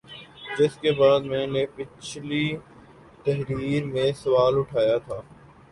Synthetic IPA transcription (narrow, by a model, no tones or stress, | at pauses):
d͡ʒɪskebaːd̪mɛ̃ːnepɪt͡ʃʰli | t̪ɐɦɾiːɾmẽːsɐʋaːlʊʈʰaːjat̪ʰaː